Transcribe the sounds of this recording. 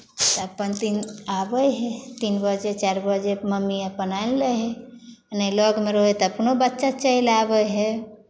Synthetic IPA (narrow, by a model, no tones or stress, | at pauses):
t̪əpənt̪inabəjɦet̪inbəd͡ʒet͡ʃaɾbəd͡ʒeməmːiəpənajlːəɦe | najlɔɡmeɾɔɦet̪əpnobət̪ːʃat͡ʃəilabəɦe